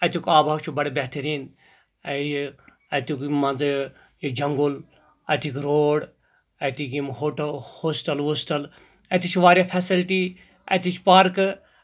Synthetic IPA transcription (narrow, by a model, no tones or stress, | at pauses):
ɐt̪ukaːbʱaːwt͡ʃʰubɐɽebɛɦt̪əɾiːn | ɐt̪ukmɐnz | jid͡ʒɐŋɡul | ɐt̪ikɾoːɽ | ɐt̪ikimɦoʈhoːsʈɐlɦoːsʈɐl | ɐt̪it͡ʃʰʋaːɾʲjapʰɛsilʈi | ɐ̰t̪it͡ʃʰpaɾk